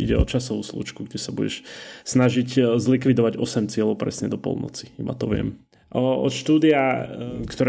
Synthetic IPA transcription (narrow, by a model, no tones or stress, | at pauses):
iɟɛɔt͡ʃasɔʋuːslṵːt͡ʃkuɡɟɛsabuɟɛ̰ʃsnaʒiczlikʋid̪ɔʋaɟɔsɛmt͡sɪɛlɔʊpɾɛ̰sɲɛd̪ɔpɔ̰lˠnɔ̰t͡si̥iba̰t̪ɔʋɪɛ̰m | ʔɔɔt̪ʃt̪uːd̪iakt̪ɔɾ